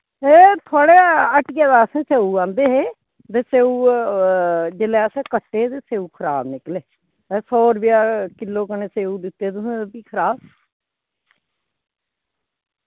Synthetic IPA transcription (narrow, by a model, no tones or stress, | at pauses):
eːt̪ʰʊaːɽeːəʈɡjaːd̪aːsẽːseːuːãːnd̪eːɦeː | d̪eːseːuː | d͡ʒelɛːseːkəʈːeːt̪eːseːuːkʰəɾa̰ːbnɪkleː | sɔːɾəbjaːkɪlːoːkəneːseːuːd̪ɪt̪ːeːt̪ʊsẽpiːkʰəɾaːb